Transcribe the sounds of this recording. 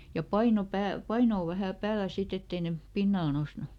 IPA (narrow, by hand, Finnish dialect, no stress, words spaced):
jɑ pɑino pæːl pɑinoː ʋæhæˑ pæːlæ sit etː ei ne pinːɑl nosnu